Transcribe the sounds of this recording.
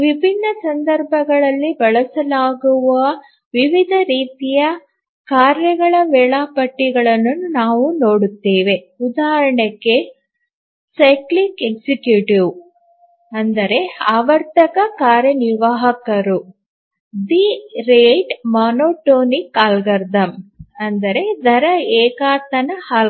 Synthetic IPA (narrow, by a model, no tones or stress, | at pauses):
ʋibʱinːɐsɐnd̪ɐɾbʱɐɡɐɭɐlːibɐɭɐsɐlaːɡuʋɐ | ʋiʋid̪ʱɐɾiːt̪ijɐ | kaːɾjɐɡɐɭɐʋɛːɭaːpɐʈːiɡɐɭɐnːunaːʋuno̞ːɽut̪ːeːʋe̞ | ud̪aːɦɐɾɐɳɛkːe | sɐjklikeksikjuʈiʋ | ɐnd̪ɐɾe̞aːʋɐɾt̪ɐkɐkaːɾjɐniɾʋaːɦɐkɐɾu | d̪iɾeːʈmaːnoːʈoːnikaːlɡɐɾd̪ʱɐmɐnd̪ɐɾe̞d̪ʱɐɾɐɛːkaːt̪ɐnɐha